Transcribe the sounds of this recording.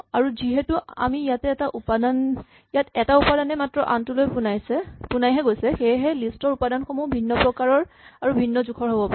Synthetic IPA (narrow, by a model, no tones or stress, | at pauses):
aɹuziɦɛtua̰mijatɛːtaʔupadan | jatɛtaupadanɛmatɹɔʔa̰ntulojpunajsɛpunajɦɛɡojsɛxejɦɛlistɔɹupadanxɔmubʱinːɔpɹɔkaɹɔɹ | aɹubʱinːɔzukʰɔɹɦobɔpaɛ